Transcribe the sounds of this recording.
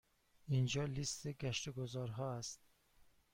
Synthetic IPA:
ind͡ʒɒlist̪iɡaʃt̪oɡozɒɾɦɒast̪̚

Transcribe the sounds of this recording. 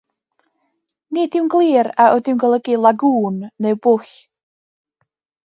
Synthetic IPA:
nidɪwnɡlˠiːɾaʔodɪwnɡəlˠəɡilˠaɡuːnːewbʊɬ

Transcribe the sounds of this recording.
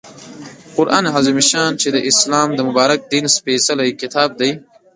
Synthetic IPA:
qʊɾʔa̰ːnɦazumiʃaːnt͡ʃed̪əʔɪslaːmd̪əmʊbaːɾɐk̚d̪inspeːsɐlɐikɪt̪ʰaːb̚d̪ɐj

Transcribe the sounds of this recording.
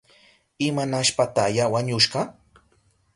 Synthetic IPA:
ɪmanaʃpat̪ajawaɲʊʃɢɑ

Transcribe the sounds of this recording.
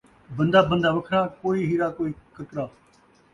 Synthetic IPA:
bə̃nd̪aːbə̃nd̪aːʋəkʰɾaːkoːiːɦiːɾaːkoːiːkəkɾaː

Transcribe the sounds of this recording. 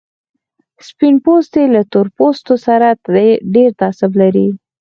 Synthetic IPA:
spinpost̪elat̪oɾpost̪osaɾaɖeɾt̪ɑsɪblaɾi

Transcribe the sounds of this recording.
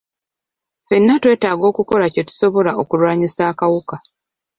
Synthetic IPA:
fe̞nːatwe̞ːtaːɡo̞ːkuko̞lace̞tu̥so̞βo̞laokulwaːɲisaːkawuka

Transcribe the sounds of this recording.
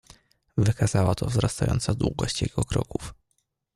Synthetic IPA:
vɘkazawat̪ʰɔvzɾast̪ajɔ̰nt̪sad̪wuɡɔɕt͡ɕjɛɡɔkɾɔkuf

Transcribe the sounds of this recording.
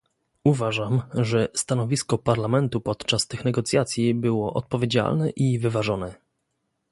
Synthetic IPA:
uvaʐamʐɛst̪anɔvʲiskɔpaɾlamɛnt̪upɔt̪t͡ʂast̪ɘxnɛɡɔt̪sʲjat̪sʲjibɘwɔʔɔt̪̚pɔvʲjed͡ʑa̰lnɛʔivɘvaʐɔnɛ

